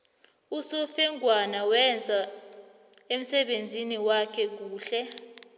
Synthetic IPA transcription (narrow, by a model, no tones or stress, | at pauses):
usɔfɛŋɡʱwanawɛnd͡zʱa | em̩sɛɓend͡zʱiniwakʰɛk̬uːɬɛ